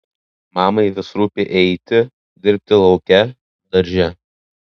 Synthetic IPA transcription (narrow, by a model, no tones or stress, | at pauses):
mɑːmɐɪʋʲɪsɾuːpʲeʔɛɪt̪ʲɪ | d̪ʲɪɾʲp̚ʲt̪ʲɪlˠɒʊkʲɛ | d̪ɐɾʲʒʲɛ